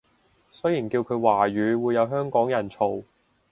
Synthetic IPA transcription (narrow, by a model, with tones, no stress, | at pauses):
sɵ˥jiː˨˩nkiː˧wkʰɵ˨˧ɥwaː˨˩ɥyː˨˧˥wuː˨˧jɐ˨˧wɦœː˥ŋkɔː˨˥ŋjɐ˨˩nt͡sʰo˨w